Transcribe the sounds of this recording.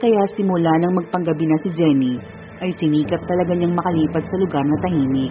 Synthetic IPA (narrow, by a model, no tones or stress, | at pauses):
kɐjasɪmʊlanɐŋmɐɡ̚pɐŋɡɐbinɐsɪd͡ʒɛni | ʔɐjsɪniːkɐp̚t̪ɐlɐɡaɲaŋmɐkɐliːpɐd̪̚sɐlʊɡaɾnɐt̪ɐhiːmɪ